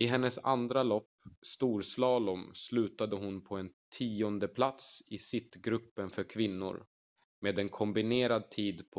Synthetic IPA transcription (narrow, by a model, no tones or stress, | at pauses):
ɪɦɛnːəsa̰nd̪ɾalɔpːst̪uːɾslɑːlɔmslʉ̟ːt̪ad̪əɦʊnpʰɔɛnt̪ʰiːɔnd̪əpʰlat̪sɪsɪt̪ːɡɾɵpːənfœɾkʰvɪnːʊ̰ɾ | meːd̪ɛnkʰɔmbɪneːɾad̪̚t̪ʰiːd̪pʰɔ